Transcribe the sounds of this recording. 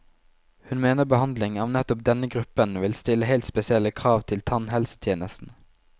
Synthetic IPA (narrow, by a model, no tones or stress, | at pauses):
hʉnmeːnəbəhɑnd̪lɪŋɑːʋnɛt̪ʊp̚d̪ɛnəɡʁʉpənʋɪlst̪ɪləheɪlt̪spɛsɪɛlːəkʰʁɑːʋt̪ʰɪlt̪ʰɑnhɛlsə̥t̪ʰjeːnəst̪n̩